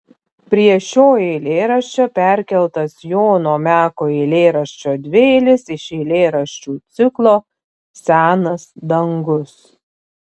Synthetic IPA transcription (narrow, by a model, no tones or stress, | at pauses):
pʲɾʲiɛʃʲoːeːlʲeːɾɐʃʲt͡ʃʲopʲæˑɾʲkʲɛlˠt̪ɐsjoːnoːmʲæːkoːeɪlʲeːɾɐʃʲt͡ʃʲoːd̪ʲʋʲeːlʲɪsɪʃeːlʲeːɾɐʃʲt͡ʃʲuːt̪sʲɪklˠoː | sʲæːnɐsd̪ɐŋɡʊs